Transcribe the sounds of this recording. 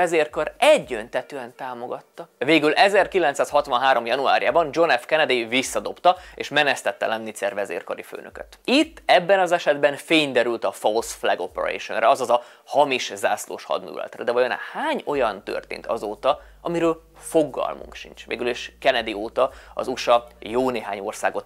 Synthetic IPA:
ɛzeːrkɒɾɛɟːønt̪ɛt̪øːɛnt̪aːmoɡɒt̪ːɒveːɡylɛzɛrkilɛnt̪saːshɒt̪ʋɒnɦaːɾo̞mjɒnua̰ːɾijaːbɒnd͡ʒo̞nɛfkɛnɛd̪ivisːɒd̪o̞pt̪ɒeːʃmɛnɛst̪ɛt̪ːɛ̰lɛnːit̪sɛrvɛzḛːrkɒɾifø̰ːnø̰køt̪it̪ːɛbːɛnɒzɛʃɛd̪bɛnfeːɲd̪ɛɾylt̪ɒfolsflɛɡopɛɾḛʃo̰nrɛɒzɒzɒ | hɒmiʃza̰ːslo̰ːʃhɒ̰d̪nṵːlɛ̰t̪rɛd̪ɛɒjona̰haːɲo̞jɒnt̪ø̰rt̪ḛːnt̪ʰɒzoːt̪ɒ | ɒmiɾøːlfo̞ɡːɒ̰lmṵŋkʃḭnt͡ʃʋeːɡyliʃkɛnɛd̪ioːt̪ɒɒ̰zuʃɒjoːneːɦaːɲo̞rsaːɡo̞t̪

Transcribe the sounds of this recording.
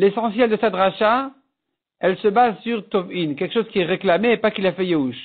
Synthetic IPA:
lesɑ̃sjɛld̪əsɛt̪ʁaʃa | ɛlsəbazsyʁt̪ɔvinkʲɛlkʃozkʲiɛʁeklameːpakilafɛjeuʃ

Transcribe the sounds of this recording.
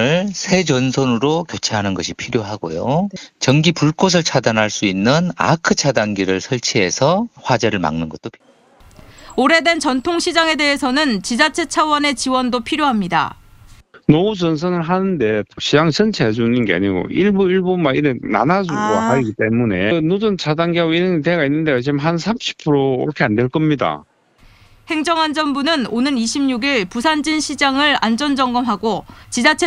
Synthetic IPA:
ɯɭsʰe̞d͡ʑʌnsʰʌnɯɾokjʌt͡ɕʰeɦanɯnɡʌɕʰipʰiɾjoɦaɡojot͡ɕʌŋɡipuɭk͈os̬ʰɯɭt͡ɕʰadanɦaɭs͈uinːɯna̰kʰɯt͡ɕʰadanɡiɾɯɭsʰʌɭt͡ɕʰiɦe̞sʰʌɸwad͡ʑeɾɯɭma̰ŋnɯnɡʌt͈̚opʰ | oɾe̞dwe̞nt͡ɕʌntʰoŋɕʰid͡ʑaŋe̞de̞ɦesʰʌnɯnt͡ɕid͡ʑat͡ɕʰe̞t͡ɕʰawʌne̞t͡ɕiwʌndopʰiɾjoɦamɲida̰ | nʌud͡ʑʌns̬ʰʌnɯɭɦanɯnde̞toɕ͈ʰiaŋsʰɯnt͡ɕʰed͡ʑunɯnɡea̰ɲiɡo̰iɭbuiɭbumaiɾena̰nad͡ʑuɡoaiɡit͈e̞mune̞nod͡ʑɯnt͡ɕadaŋɡiɦaɡoiɾɯɲiteɡainːɯndet͡ɕimɦansʰamɕʰi̥pʰɯɾoiɾʌkʰe̞andweɭk͈ʌmɲida̰ | he̞ŋd͡ʑʌŋand͡ʑʌnbunɯnonɯniɕʰimɲuɡiɭpusʰand͡ʑinɕʰid͡ʑaŋɯɭand͡ʑʌnd͡ʑʌŋɡʌmɦaɡot͡ɕid͡ʑat͡ɕʰe

